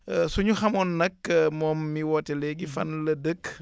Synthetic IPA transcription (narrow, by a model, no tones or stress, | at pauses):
suɲuxɐmɔnːɐkːmɔːmːiwɔtɛlɛɡifɐ̰nlɐdək